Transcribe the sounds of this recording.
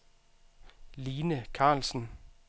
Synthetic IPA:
liːnəkʰɑ̈ːlsn̩

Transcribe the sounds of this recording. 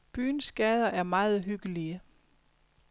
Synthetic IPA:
b̥yːnsɡ̥ɛːð̞ˠɐʔæɐmɑ̈ːð̞̩ˠɦyɡ̥əliə

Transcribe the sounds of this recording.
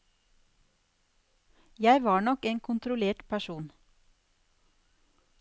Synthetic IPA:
jæɪʋɑːɳɔkeːŋkʰʊnt̪ɾʊleːʈpʰæʃuːn

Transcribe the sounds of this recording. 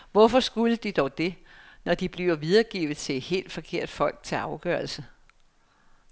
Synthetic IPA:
ʋɒfɒ̽sɡ̥uləd̥id̥ɒʊd̥e̝nɒd̥ib̥liʊɐʋið̞ˠɐɡ̥ḭːʊð̩ˠt͡sʰe̝ed̥he̝̰ːld̥fɒ̽kʰe̝ɐ̰d̥fɒ̽l̰ɡ̥̚t͡sʰe̝ɑ̈ʊɡ̥ɶːɐl̩sə

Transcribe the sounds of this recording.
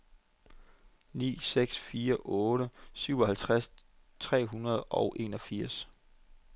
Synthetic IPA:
nḭːseɡ̥sfiːɐʔɔːɾ̥əsyʊ̰ɒ̽ɦælt͡sʰʁas | t͡sʰʁɛ̰ːɦunɐð̞̩ˠɒʊʔe̝̰ːnɒ̽fiɐ̰s

